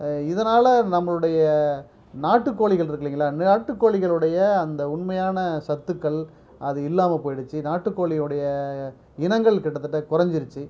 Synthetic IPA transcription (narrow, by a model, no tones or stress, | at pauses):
ɪðɐnaːlɐnɐmːɐɭɯɽɐjɐ | naːʈːɯkːoːɭɪɣɐɭɪɾɯkːɯɾiːŋɡɐɭaːnaːʈːɯkːoːɭɪɣɐɭɯɽɐjɐɐnd̪ɐʊɳmɐjaːnɐsɐt̪ːɯkːɐɭ | ɐðɯɪlːaːmɐpoːjɪɽɯt͡ʃːɯnaːʈːɯkːoːɭɪɯɽɐjɐ | ɪnɐŋɡɐɭkɪʈːɐt̪ːɯʈːɐkʊɾɐɲd͡ʒɪɾɯt͡ʃːɯ